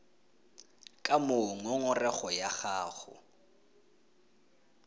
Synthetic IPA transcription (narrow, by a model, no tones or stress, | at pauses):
kʼamoŋɔŋʊrɛχɔjaχaːχʊ̰